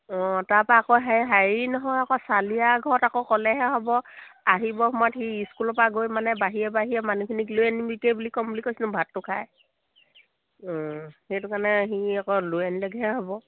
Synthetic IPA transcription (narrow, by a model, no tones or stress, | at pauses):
ɔ̃taɹpaːkɔɦaiɦainɔɦɔjakɔsalijaɡʱɔɹɔtakɔkɔlɛɦɛɦɔbɔaɦibɔhɔmatɦiiskulɔpaɡojmanɛbaɦiɛbaɦijɛmanukʰinikluɛnibikejbulikɔmplikojsinʊ̃bʱatːʊkʰaj | ɔ̃hejtʊkanɛɦiakɔluɛnlɛɡɦɛɦɔbɔ